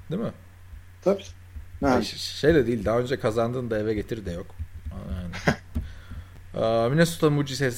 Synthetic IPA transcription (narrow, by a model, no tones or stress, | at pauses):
d̪̥imɪ | t̪ʰabiː | ʃe̞jd̪ɛd̪eːilʲd̪aɦaønd͡ʒɛkʰazand̪ɯːnd̪aevɛɟe̞t̪ʰiɾd̪ɛjo̞kjan | ɛminɛsu̥t̪ʰalmud͡ʒisɛs